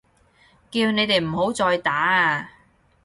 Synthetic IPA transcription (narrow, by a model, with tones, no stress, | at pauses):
kiː˧wne˨˧jt̪e˨jm̩˨˩ho˨˥wt͡sɔː˧jt̪aː˨˥a˧